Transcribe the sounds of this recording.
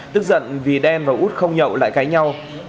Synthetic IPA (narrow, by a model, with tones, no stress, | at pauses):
t̪ɨ˦˥k̚zə̰˧˨nvi˨˩ɗɛ˧nvaː˨˩ʔu˦˥t̚xə˧wŋ͡mɲə̰˧˨wla̰ː˧˨jkaː˨˦jɲa˧w